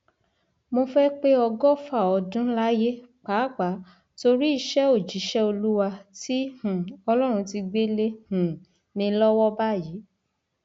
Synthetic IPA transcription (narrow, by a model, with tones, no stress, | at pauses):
mo˧fɛ˦k͡pe˦ɔ˧ɡɔ˦fa˦˨ɔ˧dũ˦la˦je˦k͡pa˨˦k͡pa˨˦ | to˧ɾi˦i˦˧ʃɛ˦o˦˨d͡ʒi˨˦ʃɛ˦o˧lu˦wa˧ti˦hũ˨ɔ˧lɔ˦ɾ̃ũ˧ti˧ɡ͡be˦le˦hũ˨ | mĩ˧lɔ˦wɔ˦ba˦˨ji˨˦